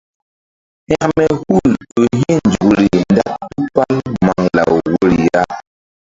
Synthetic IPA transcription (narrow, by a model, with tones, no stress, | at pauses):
ha˦ʔmɛ˨hu˦˨lo˨ɦɛ̃˦˨n˨d͡ʒu˨ɾi˨n˦da˦tu˦pa˦lma˨ŋla̰˨wwo˦ɾi˨ja˦